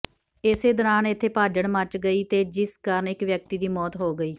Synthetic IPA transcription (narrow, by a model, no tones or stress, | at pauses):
ɪseːd̪ɔːɾaːnɪt̪ʰːeːpaːd͡ʒəɳmət͡ʃɡəiːt̪eːd͡ʒɪskəɾənɪkʋjək̚t̪iːd̪iːmɔːt̪ɦoːɡəiː